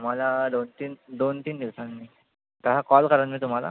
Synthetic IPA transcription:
m̤alad̪ont̪iːnd̪ont̪iːnd̪iʋsanmi | t̪əɦakɔlkəɾənmiːt̪um̤ala̰

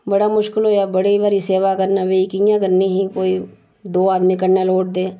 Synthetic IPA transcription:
bəɽaːmʊʃkəlɦoːjaːbəɽiːʋaːɾiːseːʋaːkəɾnaːʋeiːkijãːkəɾniːɦiːkoːiː | d̪oːaːd̪miːkəɾnaːloːʈ̚d̪eː

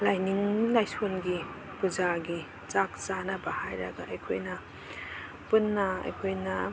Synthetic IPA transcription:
lajniŋlajsonɡi | pud͡ʒaɡi | zakzanɐbahajɾɐ̰ɡa̰ɐjkʰo̰jnɐ | punːɐɐ̰jkʰojnɐ

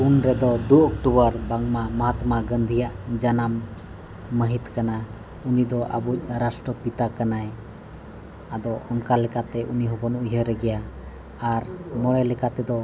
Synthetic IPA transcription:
unɾɛd̪ɔd̪uɔkʈubəɾbaŋmaməɦat̪maɡənd̪ʱijaʔd͡ʒanamː | əɦit̪kana | unid̪ɔʔa̰buc̚ɾasʈɾəpit̪akanaj | ad̪ɔɔnkalɛkat̪ɛʔuniɦɔbɔnujɦəɾɛɡɛjaː | ɾmɔɽɛlɛkat̪ɛd̪ɔ

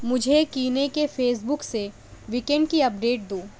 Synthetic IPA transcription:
mʊd͡ʒʱekiːnekefʰeːs̬bʊkse | ʋikɛ̃ɳɖ̚kiɐpɖeːʈ̚d̪ũː

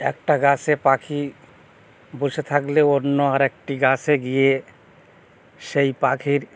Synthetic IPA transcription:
ḛk̚ʈaɡasepakʰi | but͡ʃet̪ʰakleonɔaɾek̚ʈiɡaseɡije | ʃeipakʰiɾ

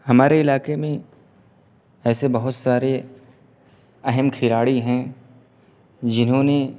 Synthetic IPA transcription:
hɐmaːɾeɪlaːkemẽ | ɛːsebɐɦʊt̪saːɾe | ɐɦəmkʰɪlaːɽiɦɛ̃ | d͡ʒɪnɦõne

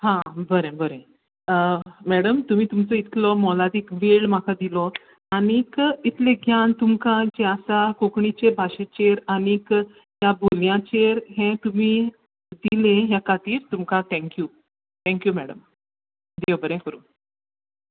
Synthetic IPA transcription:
ɦãbəɾẽbəɾẽ | mæɽəmt̪um̤iːt̪umt͡səit̪ʰlɔmɔlad̪ikʋeɭmakad̪ilɔ | aɽ̃ikit̪ʰlẽɡʱjant̪umkãd͡ʑeasakokɳit͡ɕebʱaɕet͡ɕeɾaɽ̃ik | ɦjaboljãt͡ɕeɾɦẽt̪umiː | d̪ilẽɦjakat̪iːɾt̪umkat̪ʰɛ̃ŋkju | t̪ʰɛ̃ŋkjumɛɽəm | d̪ewbəɾẽkəɾṵː

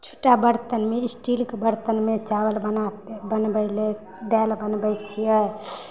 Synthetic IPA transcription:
t͡ʃʰo̥ʈabəɾt̪ənmeisʈilkebəɾt̪ənmet͡ʃabəlbənat̪bənbəjle | d̪ɛlbənbəjt͡ʃʰijɛ

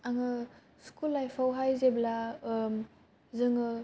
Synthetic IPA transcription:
aŋɯ | skulːajpʰawɦajzeblam | zɯŋɯ

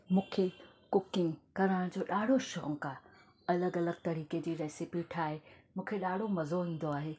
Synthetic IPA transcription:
mũːkʰe | kʊkɪ̃ŋɡkɐɾəɽ̃d͡ʑoːɗaːɽ̤ʱoʃɔ̰ːŋka | ɐləɡɐləɡ̚t̪ɐɾiːked͡ʑiːɾeːsɪpiːʈʰaːɦemũːkʰeɗaːɽ̤ʱomɐzoɦĩːn̆d̪oaːɦeː

